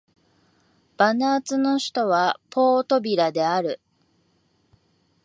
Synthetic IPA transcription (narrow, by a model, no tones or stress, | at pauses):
b̥anaːt͡sɨno̞ɕi̥t̪o̞βapʰo̞ːt̪o̞bʲiɾad̪e̞aɾɯ̟